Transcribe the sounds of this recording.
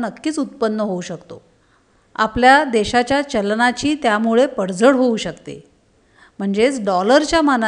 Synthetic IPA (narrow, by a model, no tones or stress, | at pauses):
nəkːiːt͡sut̪̚pənːəɦouɕəkt̪o̰ | a̰pljad̪eɕat͡ɕjat͡ɕəlɳat͡ɕiːt̪jamuɭepəɽd͡zəɽɦouɕəkt̪ḛ | m̤əɳd͡zet͡sɖɔləɾt͡ɕjamən